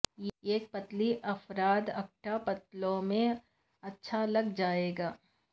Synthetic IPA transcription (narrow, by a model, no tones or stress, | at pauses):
jeːk̚pɐt̪liʔɐfɾaːd̪ɐk̚ʈapɐt̪lõmẽ | ɐtːʃʰalɐɡd͡ʒaːeːɡaː